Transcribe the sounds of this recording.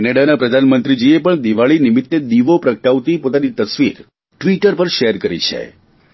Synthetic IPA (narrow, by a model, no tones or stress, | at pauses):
ɛnaɖanapɾəd̪ʱanmənt̪ɾid͡ʒiepəɳd̪iʋaɭinimit̪ːed̪iʋopɾəkʈaʋt̪ipot̪anit̪əsʋiɾ | ʈʋiʈəɾpəɾʃeɾkəɾḭt͡ʃʰḛ